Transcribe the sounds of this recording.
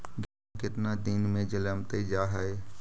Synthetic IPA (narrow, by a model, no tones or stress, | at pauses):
ɡaːkɪt̪nad̪inmẽd͡ʒələmt̪ed͡ʒaːɦae